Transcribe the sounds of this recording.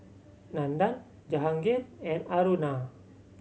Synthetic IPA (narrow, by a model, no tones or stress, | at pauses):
nandan | d͡ʒaɦaŋɡenɛnaɾuna